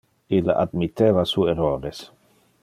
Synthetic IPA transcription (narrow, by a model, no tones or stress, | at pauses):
ilaʔa̰d̪mit̪eːvasueroːɾes